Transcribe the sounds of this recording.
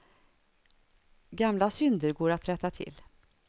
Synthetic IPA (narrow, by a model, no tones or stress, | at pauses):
ɡamlasʏnd̪əɾɡoːɾat̪ɾɛt̪ːat̪ʰɪ̰lː